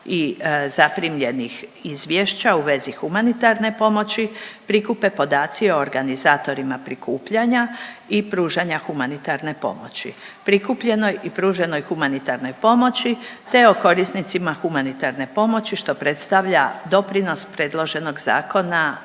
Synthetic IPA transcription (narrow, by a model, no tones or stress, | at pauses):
izapɾimʎe̞nixizʋjeʃt͡ɕauʋe̞zixumanit̪aɾne̞po̞mo̞t͡ɕipɾikupe̞po̞d̪aːt̪sio̞ːɾɡanizaːt̪o̞ɾimapɾikuːpʎaɲaipɾuːʒaɲaxumanit̪aɾne̞po̞̰mo̞̰t͡ɕḭpɾikupʎe̞no̞jipɾuːʒe̞no̞jxumanit̪aɾno̞jpo̞mo̞t͡ɕit̪e̞o̞ko̞ɾisnit̪simaxumanit̪aɾne̞po̞mo̞t͡ɕiʃt̪o̞pɾe̞t̪st̪aʋʎad̪o̞pɾino̞spɾe̞ːd̪lˠo̞ʒe̞no̞ɡza̰ːko̞na